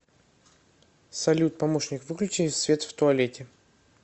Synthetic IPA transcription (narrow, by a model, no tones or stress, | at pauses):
sɐlʲut̪̚pɐmoʂnʲɪkvɨklʲʉt͡ɕɪnsvʲe̞t̪ft̪ʊɐlʲetʲɪ